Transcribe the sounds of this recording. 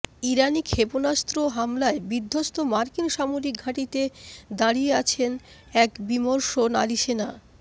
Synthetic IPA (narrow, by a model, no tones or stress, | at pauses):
iɾanikʰeponast̪ɾoɦamlaebid̪ʱːost̪omaɾkinʃamoɾik̚ɡʱaʈit̪ed̪aɾijeat͡ɕʰen | ɛkbimoɾʃona̰liʃena